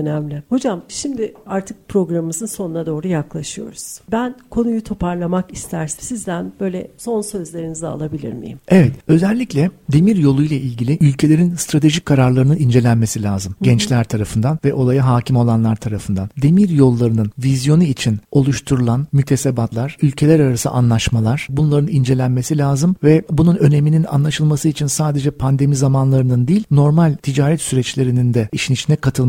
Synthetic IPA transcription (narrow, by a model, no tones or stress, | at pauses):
ønæmlʲɪho̞d͡ʒamʃimd̪ɪaɾt̪ʰɯk̚pɾo̞ɡɾammɯzɯnso̞nunad̪o̞ːɾujaklˠaʃɯjo̞̰ɾuz̥bænkʰo̞nujut̪ʰo̞paɾlˠamakist̪ʰæɾsisizd̪ænbø̞jlʲɛ̰so̞nsø̞zlʲe̞ɾinizɛa̰lˠabilʲḭɾmḭjḭmevɛt̪ø̞zɛlʲːiclʲɛd̪e̞miɾjo̞lˠujlˠaʔilʲɟilʲiʔylʲcʰe̞lʲe̞ɾinst̪ɾat̪ʰe̞ʒic̚kʰːaɾaɾlˠaɾɯnɯnind͡ʒe̞lʲænme̞silʲaːzɯmɟɛnt͡ʃlʲæɾt̪ʰaɾafɯnd̪anvɛʔolˠajaɦaːcʰimo̞lˠanlˠaɾt̪ʰaɾafɯnd̪and̪e̞miɾjo̞lˠːaɾɯnɯnvizjo̞nuit͡ʃʰino̞lˠuʃt̪ʰuɾulˠanmyt̪ʰe̞sebat̪lˠaɾ̥ylʲcʰe̞lʲæɾaɾasɯ̰ʔa̰nlˠaʃmalˠaɾ̥bunlˠaɾɯnind͡ʒe̞lʲænme̞silʲaːzɯmvɛbununø̞ne̞minina̰nlˠaʃɯlˠmasɯit͡ʃʰinsaːd̪e̞d͡ʒɛpʰand̪e̞mizamanlˠaɾɯnɯnd̪iːlʲno̞ɾmalʲt̪ʰid͡ʒaːɾɛt̪syɾɛt͡ʃlʲe̞ɾinind̪ɛiʃinit͡ʃʰind̪ɛkʰat̪ʰɯlˠm